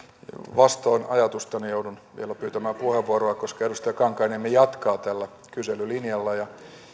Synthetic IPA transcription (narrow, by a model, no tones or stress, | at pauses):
ʋɑst̪oːnɑjɑt̪ust̪ɑnijoudunʋḭelæpyːt̪æmæːmpuheʋːuoɾoɑkoskɑedust̪ɑjɑkɑŋkɑinemːejɑt̪kɑːt̪ælːæ | kyselylinjɑlːɑjɑ